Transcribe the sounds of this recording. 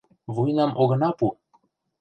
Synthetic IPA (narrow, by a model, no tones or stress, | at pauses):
vujnɑmʔoɣɤ̆nɑpu